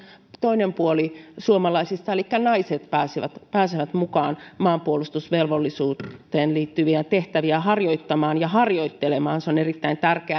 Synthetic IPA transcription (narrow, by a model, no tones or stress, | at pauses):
t̪oinempuolisuomɑlɑisist̪ɑelikːænɑiset̪pæːsiʋæt̪pæːseʋæt̪mukɑːnmɑːmpuolust̪usʋelʋolːisuːt̪ːˑeːnliːt̪ːyʋiæt̪eht̪æʋiæhɑrjoit̪ːɑmɑːnjɑhɑrjoit̪ːelemɑːnseonerit̪ːæint̪ærkeæ